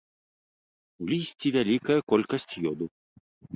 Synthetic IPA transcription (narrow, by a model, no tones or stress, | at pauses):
wlʲisʲt͡sʲivʲalʲikɐjɐkɔlʲkɐsʲt͡sʲjɔd̪u